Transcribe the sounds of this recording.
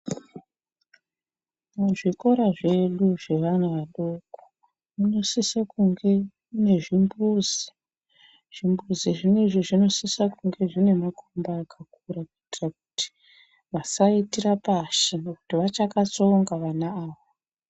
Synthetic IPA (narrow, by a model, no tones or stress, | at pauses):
muʐiko̞ɾaʐe̞ɗuʐe̞ʋanuʋaɗoko̥ | muno̞sisakuŋɡe | une̞ʐimbuzi | ʐ̥imbuziʐine̞ʐiʐino̞sisakuŋɡe̞ʐine̞makombaakʰakurakitiraku̥ti̥ | ʋasaitirapaʃineku̥tiʋat͡ʃakat͡so̞ŋɡaʋanaaːʋo